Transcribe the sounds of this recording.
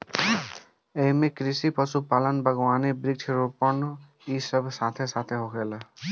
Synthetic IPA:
emekɾisipɔsupalənbʱəɡwanibɾik̚t͡ʃʰɾupɔɳ | isəbsat̪ʰesat̪ʰeɦokʰela

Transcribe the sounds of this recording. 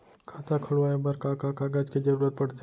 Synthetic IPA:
kʰaːt̪akʰʊɭʋaːebəɾkakaːkaɡaːd͡ʒkid͡ʒɐɾuːɾət̪̚pɐɽ̤t̪e

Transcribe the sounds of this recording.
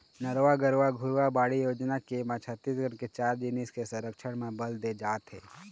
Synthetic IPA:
nəɾʋaɡəɾʋaɡʱʊɾwabaːɽijoːd͡ʒnakemãt͡ʃʰət̪ːiːsɡəɽ̃ket͡ʃaːɾd͡ʒiniskesɐ̃ɾəkʃəɽ̃mẽbəld̪ed͡ʒaːt̪ɦḛː

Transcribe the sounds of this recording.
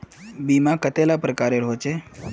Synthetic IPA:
bimakət̪elapɾəkaɾeɾɦot͡ɕe

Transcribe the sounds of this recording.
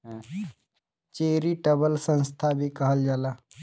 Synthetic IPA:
t͡ʃeːɾiːʈəbəlsənst̪ʰaːbʱiːkəɦəld͡ʒaːlaː

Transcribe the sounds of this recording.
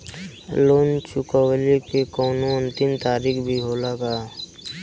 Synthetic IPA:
loːnt͡ʃʊkawlikekoːnõʊnt̪ɪmt̪aːɾiːkbʱiɦoːlaɡaː

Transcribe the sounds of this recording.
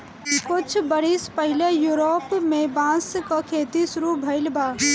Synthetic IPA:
kʊt͡ʃʰbəɽispəɦɪlejuɾoːpmẽbãːskəkʰeːt̪isʊɾubʱəɪlbaː

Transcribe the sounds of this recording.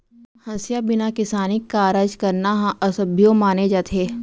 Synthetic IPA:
hɐsjabɪnakɪsaːnɪkːaːɾəd͡ʒkɐɾnaɦãʔɐsəbʱjõmaːned͡ʒaːt̪ʰeː

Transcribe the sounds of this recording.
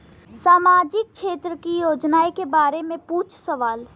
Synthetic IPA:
saːmaːd͡ʒɪk̚kʃʰeːt̪ɾəkijoːd͡ʒnaekebaːɾemẽpuːt͡ʃʰsəʋaːl

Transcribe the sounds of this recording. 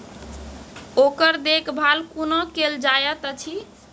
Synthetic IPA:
okəɾd̪ekbʱalkunɔkeld͡ʒajət̪ət͡ʃʰi

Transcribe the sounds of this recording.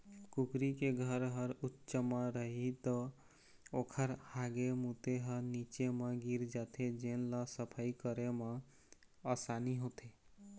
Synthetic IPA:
kukɾikeɡʱəɾɦəɾutːt͡ʃəmːaɾəɦit̪ɔ | okʰəɾhaɡemut̪eɦəɾnit͡ʃemeɡiɾd͡ʒat̪ʰed͡ʒenlasəpʰajkəɾemeː | saniɦot̪ʰe

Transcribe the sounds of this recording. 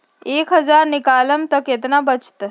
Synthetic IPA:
ekɦəd͡zaɾnikaləmt̪əket̪nabət͡st̪ə

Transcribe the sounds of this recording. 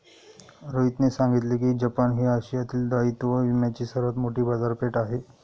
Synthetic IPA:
ɾoit̪nesãŋɡit̪lekiːd͡ʑəpanɦiːaɕijat̪iːld̪ait̪uʋəʋimjat͡ɕiːsəɾʋət̪moʈiːbad͡zaɾpeʈaɦe

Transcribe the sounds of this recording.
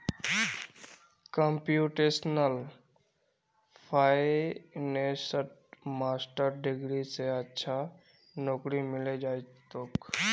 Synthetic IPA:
kəmpjuːʈeːsnəl | pʰaːenesəʈ̚maːsʈəɾɖɪɡɾiseətːʃʰa | nɔːkɾimɪled͡ʒaːt̪ok

